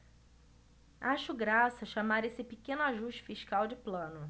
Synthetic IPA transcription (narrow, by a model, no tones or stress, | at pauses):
aʃʊɡɾasɐʃamaɾesɪpikẽnʊaʒuʃt͡ʃɪ̥fiʃkawd͡ʒɪplɐ̃nʊ